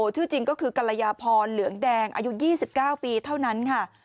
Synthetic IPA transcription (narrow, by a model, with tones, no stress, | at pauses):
o˨˩t̪ʰɯː˥˩t͡ɕi˧ŋkɔː˥˩kʰɯː˧ka˧la˧jaː˧pʰɔː˧nlɯ˩˦əŋdɛː˧ŋʔa̰ː˧ju˦˥t̪̚jiː˥˩si˨˩p̚kaː˥˩wpiː˧t̪ʰa˥˩wna˦˥nkʰa˥˩